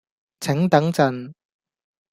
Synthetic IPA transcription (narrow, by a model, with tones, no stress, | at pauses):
t͡sʰɪ˨˥ŋt̪ɐ˨˥ŋt͡sɐ˨n